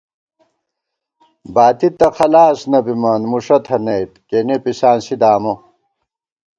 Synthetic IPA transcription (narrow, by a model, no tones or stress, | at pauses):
baːt̪it̪ːɐxɐlaːsnɐbimaːnmuʂɐt̪ʰɐnejt̪̚kenepisaːnsid̪aːmo